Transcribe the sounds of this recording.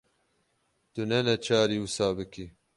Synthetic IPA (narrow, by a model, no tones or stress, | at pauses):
t̪unɛnɛt͡ʃʰaːɾiːusaːbɨki